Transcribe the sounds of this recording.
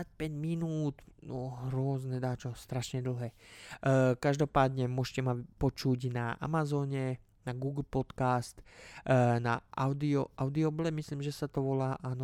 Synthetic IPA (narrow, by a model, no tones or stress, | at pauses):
ac̚pɛɟminuːt̪nɔɦɾʊɔznɛd̪aːt͡ʃɔst̪ɾaʃɲɛd̪l̩ˠɦɛː | kaʒd̪ɔpaːd̪ɲɛmʊɔʃcɛmapɔt͡ʃuɟnaʔa̰mazɔːɲɛ | naɡuɡl̩pɔt̪kast̪ | naʔaʊd̪iɔʔaʊd̪iɔblɛmisliːmʒɛsat̪ɔʋɔlaːʔaːnɔ